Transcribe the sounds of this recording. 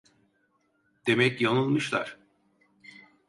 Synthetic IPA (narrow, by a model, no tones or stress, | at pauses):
d̪̥e̞mɛcjanɯlˠmɯʃlˠa̰ɾ̥